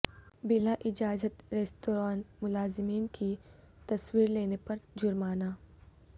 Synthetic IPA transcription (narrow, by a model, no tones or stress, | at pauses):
bɪlaʔɪd͡ʒaːzət̪ɾeːst̪oːɾaːnmʊlaːzɪmiːnkʰi | t̪ɐswiːɾleːnepɐɾd͡ʒʊɾmaːnaː